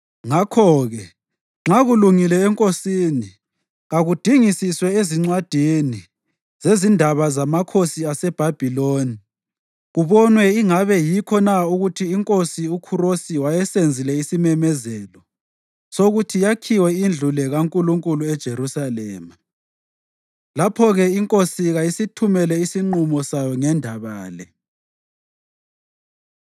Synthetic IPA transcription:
ŋakʰɔɣɛ | ŋ͡ǁaɣuluŋilɛːŋkʼosini | ɣaɣud̥ʱiŋisiswɛeziŋ͡ǀwad̥ʱini | z̥ezindʱaβazamakʰosiasɛb̥ʱab̥ʱiloːni | ɣuβɔnwɛiŋaβɛjikʰɔnauɣutʰiːŋkʼosiukʰuɾosiwajɛsend͡zʱilɛisimɛmɛzɛlɔ | soɣutʰijakʰiwɛind͡ɮʱulɛɣaŋkʼuluŋkʼuluɛd̥ʒ̥ʱerusalɛ̰ːma | lapʰɔɣɛiŋkʼosiɣajisitʰumɛlɛisiŋ͡ǃumɔsajɔŋɛndʱaβaːlɛ

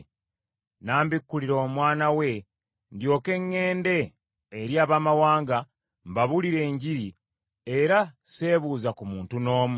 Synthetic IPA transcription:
naːmbikːuliɾo̞ːmwaːnawe̞ | ndjo̞ːke̞ŋːe̞ːnde̞ː | ɾjaːβaːmawaːŋɡa | mbaβuliɾe̞ːɲɟiɾi | e̞ɾase̞ːβuːzakumuːntuno̞ːmu

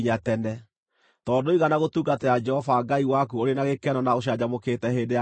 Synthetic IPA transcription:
ɲatɛnɛ | tɔːdoiɣanaɣotuːɡatɛad͡ʒɛhɔvaɡaiwakuoɾenaɣekɛnɔnaoɕ̬ad͡ʒamokeːtɛɦedea

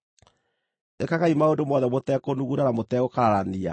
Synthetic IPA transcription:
ekaɣaimaondomɔðɛmotɛkonuɣuɾanamotɛɣokaɾaɾania̰

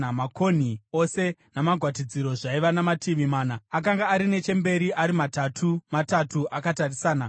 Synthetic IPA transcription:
mako̞n̤io̞se̞namaɡʱwatid͡ziɾo̞ʐaiʋanamatʰiʋimaːnaak̬aŋɡaːɾine̞t͡ʃe̞mbe̞ɾiʔaɾimatatʰumatatuʔakatarisaːna

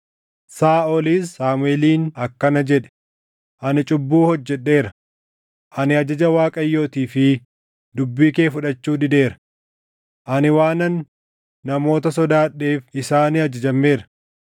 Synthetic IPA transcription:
saːɔliːsːaːmʊeːliːnɐkːɐnɐd͡ʒɛᶑɛ̥ | ʔɐnɪt͡ʃʼʊbːuːhɔd͡ʒːɛᶑːe̞ːɾɐ | ʔɐnɪɐd͡ʒɐd͡ʒɐwaːkʼɐjːo̞ːt̪iːfɪ | d̪ʊbːiːke̞ːfʊᶑɐt͡ʃːuːd̪ɪd̪e̞ːɾɐ̥ | ʔɐnɪwaːnɐnː | ɐmo̞ːt̪ɐsɔd̪aːᶑːe̞ːfɪsaːniːɐd͡ʒɐd͡ʒɐmːe̞ːɾɐ̥

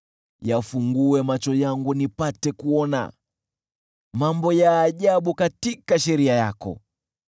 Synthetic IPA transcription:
jafuŋɡuɛmat͡ʃɔjaŋɡunipatɛkuɔna̰ | mambɔjaːʄaɓukatikaʃɛɾiajakɔ̰

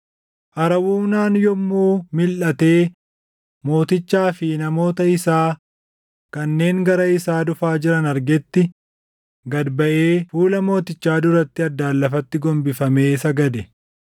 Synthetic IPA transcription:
ʔɐɾɐwuːnaːnjɔmːuːmɪlʔɐt̪e̞ː | mo̞ːt̪ɪt͡ʃːaːfɪnɐmo̞ːt̪ɐɪsaː | kɐnːe̞ːŋɡɐɾɐɪsaːd̪ʊfaːd͡ʒɪɾɐnɐɾɡɛt̪ːɪ | ɡɐd̪bɐʔe̞ːfuːlɐmo̞ːt̪ɪt͡ʃːaːd̪ʊɾɐt̪ːɪɐd̪ːaːlːɐfɐt̪ːɪɡɔmbɪfɐmeːsɐɡɐd̪ɛ

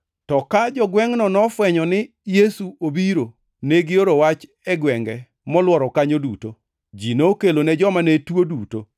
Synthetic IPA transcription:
tɔkad͡ʒɔɡwɛŋnɔnɔfwɛɲɔnɪ | jesuobiɾo | neɡɪoɾowat͡ʃ | ɛɡwɛŋɡɛ | mɔlwɔɾɔkaɲoduto | d͡ʒinookelonɛd͡ʒɔmanetwoduto

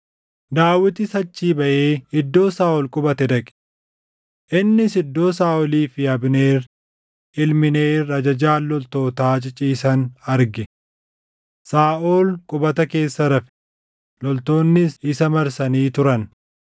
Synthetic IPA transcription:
d̪aːwɪt̪ɪsɐt͡ʃːiːbɐʔeːɪd̪ːo̞ːsaːʔɔlkʼʊbɐt̪ɛd̪ɐkʼɪ̥ | ʔɪnːɪsɪd̪ːo̞ːsaːʔɔliːfɪɐbne̞ːɾ | ɪlmɪne̞ːrɐd͡ʒɐd͡ʒaːlːɔlt̪o̞ːt̪aːt͡ʃʼɪt͡ʃʼiːsɐnɐɾɡɪ | saːʔoːlkʼʊbɐt̪ɐke̞ːsːɐɾɐfɪ̥ | lɔlt̪o̞ːnːɪsɪsɐmɐɾsɐniːt̪ʊɾɐn

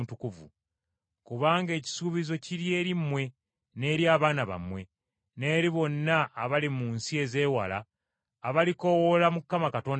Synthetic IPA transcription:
tukuvṵ | kuβaːŋɡe̞ːci̥suːβizo̞ciɾje̞ːɾimwe̞ | ne̞ːɾjaːβaːnaβa̰mwe̞ | ne̞ːɾiβo̞nːaːβalimuːnsie̞ze̞ːwa̰la̰ː | βaliko̞wo̞lamukːamakato̞ːn

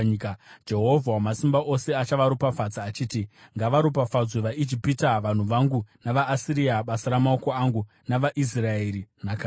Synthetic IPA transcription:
d͡ʒe̞ɦo̞vʱawamasimbaʔo̞se̞at͡ʃaʋaɾupafad͡zaːt͡ʃiːtiŋɡaʋaɾup̬afad͡zweʋaʔid͡ʒipitaʋan̤uʋaŋɡunaʋaːsiɾiaɓasaɾamao̞ko̞aŋɡu | naʋaʔis̬rae̞ɾinakaː

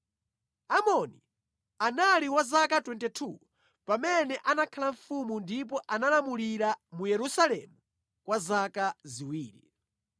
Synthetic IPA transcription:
amɔni | analiwazakatwɛntɛtʰuː | pamɛnɛʔanakʰalaɱ̩fumundip̬ɔʔanalamuliɾamujɛɾusalɛmu | kwazakaziwiːɾḭ

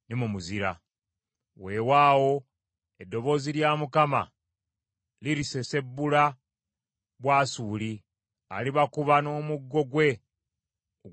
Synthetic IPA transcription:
nimumuziɾa̰ | we̞ːwaːwo̞ | e̞dːo̞βo̞ːziljaːmukama̰ | liɾise̞se̞bːula | βwaːsuːli | a̰liβakuβano̞ːmuɡːo̞ɡwe̞

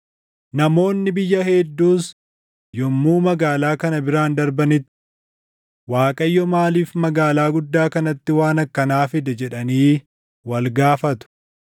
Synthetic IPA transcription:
nɐmo̞ːnːɪbɪjːɐɦɛd̪ːuːs | jɔmːuːmɐɡaːlaːkɐnɐbɪɾaːnd̪ɐɾbɐnɪt̪ːɪ̥ | waːkʼɐjːɔmaːliːfmɐɡaːlaːɡʊd̪ːaːkɐnɐt̪ːɪwaːnɐkːɐnaːfɪd̪ɛd͡ʒɛᶑɐniː | wɐlɡaːfɐt̪ʊ̥

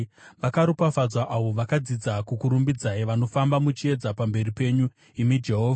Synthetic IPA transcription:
ʋakaɾupafad͡zwaʔaʋo̞ʋakad͡zid͡zakukuɾumbid͡zaiʋano̞fambamut͡ʃie̞d͡zapambe̞ripe̞ɲu | imid͡ʒe̞ɦo̞ːva

